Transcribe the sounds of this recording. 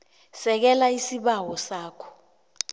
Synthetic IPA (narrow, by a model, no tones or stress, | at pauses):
sɛk̬ɛlaisiɓawɔsaːkʰɔ̥